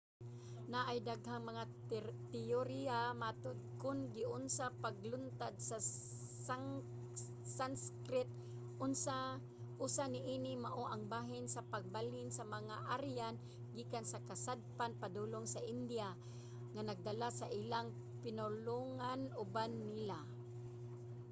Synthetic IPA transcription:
naʔajd̪aɡɦaŋmɐŋa | t̪ɪoɾiamat̪ʊd̪̚kʊnɡɪʔʊnsapaɡlʊnt̪ad̪̚sa | sa | sanskɾɪt̪̚ | ʔʊnsa | ʔusanɪʔiːnɪmaʔoʔaŋbaːɦɪnsapaɡ̚balɪnsamaŋaʔaɾjan | ɡiːkansakasad̪̚panpad̪ulʊŋsaʔɪnd̪ia | ŋanaɡ̚d̪alasaʔilaŋ | pɪnʊloŋanʊbanːila

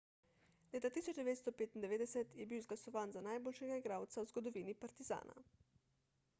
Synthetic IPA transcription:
leːt̪at̪iːsɔd͡ʒd̪ɛʋeːt̪st̪ɔpeːt̪ind̪ɛʋeːd̪ɛsɛt̪jɛbiwzɡlasɔʋaːnzanajboːlʃɛɡaiɡɾaːwt̪sawzɡɔd̪ɔʋiːnipaɾt̪iza̰ːna̰

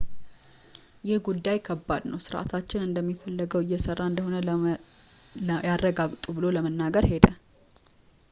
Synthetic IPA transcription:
jɪhɡud̪ːajkʰəbːad̪nəwsɨɾʔa̰t̪ʰat͡ʃːɪnɨnd̪əmːifəlːəɡəwɪjːɛsərːaɨnd̪əɦo̞nə | jarːəɡaɡt̪ʼubɨlo̞ləmənːaɡəɾhe̞d̪ə

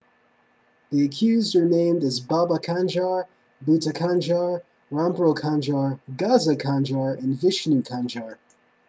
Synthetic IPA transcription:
ðiɨkʰj̥ʉzdə˞nẽɪ̃mdɨzbɑbəkʰæ̃nd͡ʒɑɹ | bʉtɨkʰæ̃nd͡ʒɑɹ | ɹɑ̃mbɹoʊkʰɑ̃nd͡ʒɑɹɡɑzəkʰæ̃nd͡ʒɑɹɨ̃nvɪʃnʉkʰæ̃nd͡ʒɑɹ

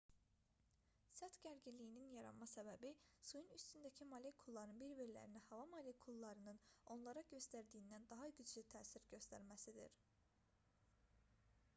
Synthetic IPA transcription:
sæt̪ɟæɾɟilijininjɑɾɑ̰nmɑsæbæbisujunyst̪ynd̪æcʰimɑlʲekʰulˠːɑɾɯnbiɾbiɾlæ̰ɾinihɑvɑmɑlekʰulˠːɑɾɯnɯno̞nlˠɑɾɑɟø̞st̪æɾd̪ijːnd̪ænd̪ɑɦɑɟyd͡ʒlyt̪ʰæːsiɾɟø̞st̪æ̰ɾmæsid̪ḭɾ

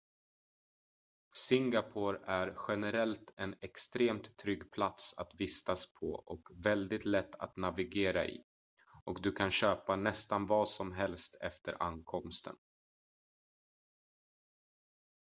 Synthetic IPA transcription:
sɪŋɡapʰoːɾæɾɧɛnɛɾɛlt̪ʰɛnɛkst̪ɾeːmt̪ʰːɾʏɡːpʰlat̪sat̪vɪst̪aspʰɔʔɔkvɛld̪ɪt̪lɛt̪ʰːa̰t̪navɪɡeːɾa̰ʔɪ̰ | ʔɔkd̪ɵkʰanɕøːpanɛst̪anvɑːsɔmɦɛlst̪ʰɛft̪ʰə̰ɾa̰nkʰɔmst̪ʰə̰n

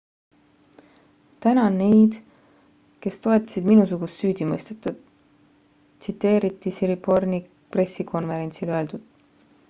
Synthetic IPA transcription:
t̪ænɑne̞jd̪̥ | ke̞st̪o̞e̞t̪ːˑɑ̥sid̪̥minusuɡ̥ust̪syːd̪̥imɤjst̪et̪ˑːud̪̥ | sit̪ːe̞ːɾit̪ːˑisiɾipo̞rni | pre̞sikʰo̞nve̞ɾe̞nʲt̪siløe̞ld̪̥ud̪̥

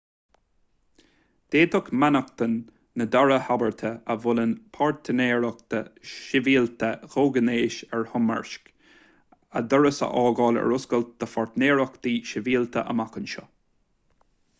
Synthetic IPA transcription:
d̪̥eːt̪əkmanəkt̪ənː | əd̪ɔɹəhabəɹt̪ʰəəvʊlənpʰaɹt̪ʰəneːɹək̚d̪̥əʃɪviːlt̪əɣoːɡəneːʃɛɹhʊmə̰ɹʃk | ə̰d̪əɹəsə̰ʔɑːɡɑːlɛ̰ɹʊskəlt̪̚d̪̥əfɔɹt̪neːɹəkd̪̥iːʃɪviːlt̪ʰə̰ʔə̰makənʃɔ̰

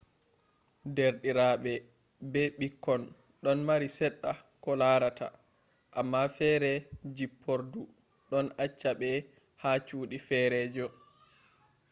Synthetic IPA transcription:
deɾɗiɾaɓɛ | bɛɓikːɔn | ɗɔnmaɾisɛɗːa | kɔlaɾatʰa̰ | ʔamːafɛɾɛd͡ʒipʰːoɾdu | ɗɔnat͡ʃːaɓɛ | hat͡ʃuːɗifɛɾɛːd͡ʒɔ

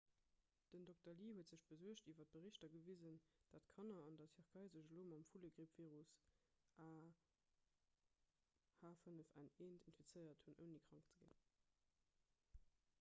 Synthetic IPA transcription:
d̥əndok̚tɐliːɦhuətz̥əɕb̥əzuəɕtiːvɐt̚b̥əʁiɕtɐɡəvizənd̥atkʰɑnɐɑndɑsʰiχkʰɑɪzəʒloːmɑmfuləɡʁipv̥iːʁus | ʔaː | haːfənəfæŋeːntʰinfit͡səɪɐthunʔəʊniːkʁ̥ɑŋkt͡səɡḭn

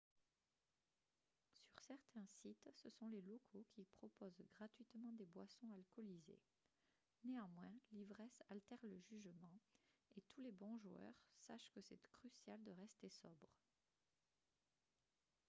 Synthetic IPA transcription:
syʁsɛʁt̪ʰɛ̃sit̪səsɔ̃lelɔkʰokʲipχɔpozɡʁat̪ɥit̪mɑ̃d̪ebwasɔ̃alkɔlizḛ | neɑ̃mwɛ̃livʁɛsalt̪ɛʁləʒyʒmɑ̃et̪ʰulebɔ̃ʒuœ̰ʁsaʃkəsɛt̪kχysjald̪əʁɛst̪esɔbʁ

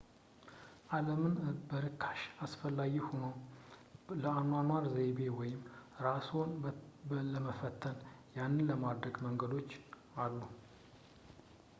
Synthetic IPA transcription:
ʔaləmɨnbəɾɨkʰːḁʃasfəlːaɡihono | ləanwanwaɾzebe̞wɔjɪmɾaso̞n | ləməfət̪ʰːənjanːɨnləmad̪ɾəɡməŋɡəd̪o̞t͡ʃː | alːu

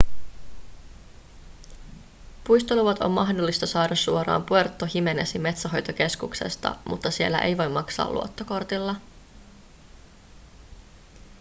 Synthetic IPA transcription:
pujst̪oluʋɑt̪o̞̰mːɑɦdo̞lːist̪ɑsɑːdɑsːuo̞ɾɑ̰ːmpue̞rt̪ːohime̞nesime̞t̪sæɦo̞jt̪oke̞skukse̞̰st̪ɑ̰mut̪ːɑsie̞lːæ̰ʔe̞jʋo̞jmːɑksɑ̰ːlṵo̞t̪ːoko̞rt̪ilːɑ

